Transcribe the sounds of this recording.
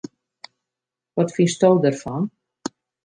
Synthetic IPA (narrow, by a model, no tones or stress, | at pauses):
ʋɔtfinsdowdərfɔn